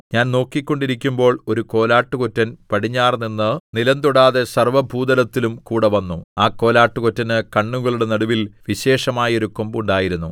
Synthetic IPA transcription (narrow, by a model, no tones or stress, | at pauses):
ɲaːnno̞ːkːikʲːo̞ɳɖiɾikʲːumbo̞ːɭo̞ɾuko̞ːlaːʈːukotːɐnpɐɽiɲːaːrninːɨnilɐnt̪uɽaːðe̞sɐrʋɐbʱuːd̪ɐlɐt̪ːilumkuːɽɐʋɐnːuaːkːo̞ːlaːʈːukotːɐnɨkɐɳːuɣɐɭuɽe̞nɐɽuʋilʋiɕe̞ːʂɐmaːjo̞ɾuko̞mbuɳɖaːjiɾunːu